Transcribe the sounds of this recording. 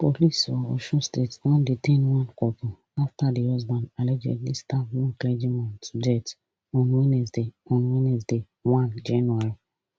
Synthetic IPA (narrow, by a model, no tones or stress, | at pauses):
polisɔɔʃɔstetwɔ̃nditẽnwãnkɔpu | aftadihɔzbãndalɛd͡ʒɛ̰dlistafjũklɛd͡ʒimɔ̃ntdɛt | ɔ̃nwinɛsdeɔ̃nwinɛs̬de | wãnd͡ʒɛnaɹi